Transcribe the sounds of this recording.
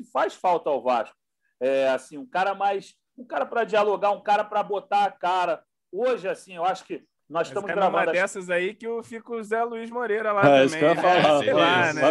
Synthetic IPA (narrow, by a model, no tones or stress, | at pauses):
ɪfajsfawt̪ɐawva̰ʃkʊ̥ | ɛasĩũkaɾɐmajs | ũkaɾɐpɾɐd͡ʒialoɡaũkaɾɐpɾɐbot̪aːkaɾɐ | oʒɪasĩewaʃʊ̥kɪ | nɔzɪʃtɐ̃mʊzɡɾavɐ̃ɐd̪ɐd̪ɛsɐzaikɪʊfikuzɛluiʒmoɾejɾɐlasmẽfalaanɛ